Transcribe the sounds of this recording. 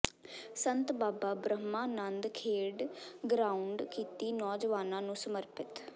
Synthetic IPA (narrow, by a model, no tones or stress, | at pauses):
sənt̪baːbaːbɾəɦmãːnənd̪kʰeːɖɡɾaːuɳɖkiːt̪iːnɔːd͡ʒʋaːnãːnũːsəməɾpɪt̪